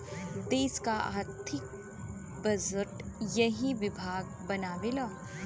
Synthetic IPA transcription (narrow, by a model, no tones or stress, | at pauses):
d̪eːskaa̰ːɾt̪ʰɪk̚ | bɐzəʈjɐɦiʋɪbʱaːɡ | bɐnaːʋeːlaː